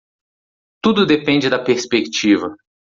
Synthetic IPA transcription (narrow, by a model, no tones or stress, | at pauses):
t̪ud̪ʊd̪epẽnd͡ʒɪd̪ɐpeɾspekt͡ʃivɐ